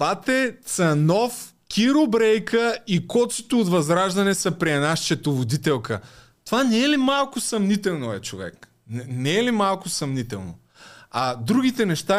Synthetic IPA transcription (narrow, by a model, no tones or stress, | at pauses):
pat̪ɛt̪sɐnɔf | kʲʰiɾobɾɛjkəikɔt̪sot̪oːt̪vɐzɾaʒd̪ɐnɛsɐpɾiɛnaʃt͡ʃɛt̪ovod̪it̪ɛlˠkə̰ | t̪ovanɛɛlimalˠkʊsɐmnit̪ɛlˠnoɛt͡ʃovɛ̰k | nɛnɛɛlimalˠkʊsɐmnit̪ɛlˠno̰ | ad̪ɾuɡit̪ɛnɛʃt̪a